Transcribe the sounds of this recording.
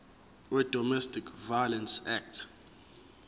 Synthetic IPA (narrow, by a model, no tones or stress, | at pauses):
wɛd̥ɔmɛstʰikʰvajlɛnsɛk̚tʰ